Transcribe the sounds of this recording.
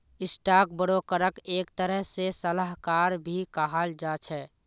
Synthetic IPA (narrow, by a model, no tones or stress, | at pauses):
ɪsʈak̚bəɽokəɾəkeːkt̪əɾəɦsesəlaɦkaɾbʱikaɦald͡ʒat͡ʃʰɛ